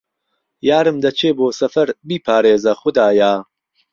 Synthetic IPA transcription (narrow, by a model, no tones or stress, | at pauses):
jaːɾɨmd̪ɐt͡ʃʰeːboːsɐfɐɾbiːpʰaːɾeːzɐxʊd̪aːjaː